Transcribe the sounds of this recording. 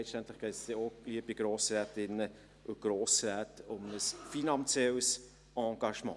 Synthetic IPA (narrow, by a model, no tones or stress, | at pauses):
ɛstɛnt̪lɪχɡ̥ɛːtsd̥ɛoɡ̥liːəbiɡ̥ɾoːsɾɛːtɪnːə | ʔʊɡ̥ɾoːsɾɛːtʊmnəsfinɑnt͡sjɛls | ʔɑ̃ːɡ̥ɑʃmɑ̰̃ː